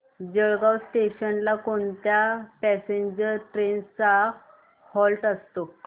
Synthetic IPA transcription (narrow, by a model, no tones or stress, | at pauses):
d͡ʑəɭɡawsʈeɕənlakoɳt̪japɛseɲd͡ʑəɾʈɾent͡sa | hɔlʈəst̪o